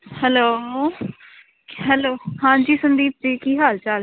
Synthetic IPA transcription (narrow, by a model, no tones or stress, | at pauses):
hɛloː | ɦɛloːhãːd͡ʒiːsʊnd̪iːp̚d͡ʒiːkiːɦaːlt͡ʃal